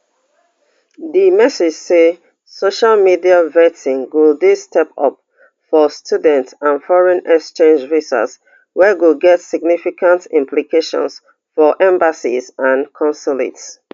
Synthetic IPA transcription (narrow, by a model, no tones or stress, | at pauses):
ðimɛsed͡ʒse | soʃalmidiavɛtĩŋwilˠdistʰɛpɔp̚ | fɔstʰjudɛ̃ntãnfɔɹɛ̃nɛkst͡ʃẽnd͡ʒvisa̰s | wɛɡilɡɛtsiɡ̚nifikʰãntĩmplikʰeʃɔ̰̃ns | fɔʔɛ̃mbasḭzãnkʰɔ̃nsɔlḭts